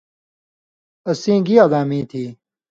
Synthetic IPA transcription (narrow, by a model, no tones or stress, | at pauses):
ɐsĩːɡialaːmĩːt̪ʰiː